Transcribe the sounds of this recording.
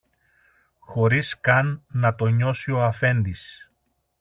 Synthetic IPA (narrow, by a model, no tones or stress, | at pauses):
xo̞ɾiskɐnːɐt̪o̞ɲo̞sio̞ɐfe̞nd̪is